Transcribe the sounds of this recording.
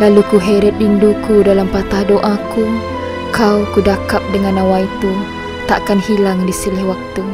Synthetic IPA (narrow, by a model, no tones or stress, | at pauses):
lalukuɦeɾɛt̪̚indukudalampat̪ahdoʔaku | kʰaukudakap̚dəŋanawait̪u | t̪aʔkanhilaŋdisilɪhwak̚t̪u